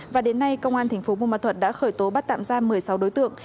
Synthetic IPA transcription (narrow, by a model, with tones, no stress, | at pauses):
vaː˨˩ɗe˨˦nːa˧jkə˧wŋ͡mʔaː˧nt̪ʰa˨˩ŋ̟fo˨˦mu˧˨maː˨˧˩t̪ʰə˨˩t̚ɗa̰ː˧˥xəː˧˩jt̪o˨˦ɓa˦˥t̚t̪a̰ː˧˨mzaː˧mɨ˨˩əjsa˨˦wɗo˨˦jt̪ɨ̰˧˨əŋ